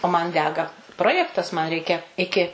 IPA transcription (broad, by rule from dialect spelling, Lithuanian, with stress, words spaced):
oː mɐn ˈdʲæːɡɐ ˈproːjɛktɐs mɐn ˈrʲɛɪkʲɛ ˈɪkʲɪ